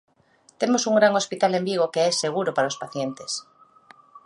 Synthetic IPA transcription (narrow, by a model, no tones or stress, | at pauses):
t̪emosuŋɡɾaŋospit̪alembiɣ̞okeɛseɣ̞uɾopaɾaospaθjent̪es